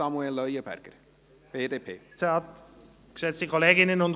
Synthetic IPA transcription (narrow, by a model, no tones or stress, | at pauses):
ɑmuɛlːœʏəbæ̰ɾɡ̥əɾ | b̥eːd̪eːpʰḛːseɑt | ksɛt͡stikʰoleːɡɪnənʊn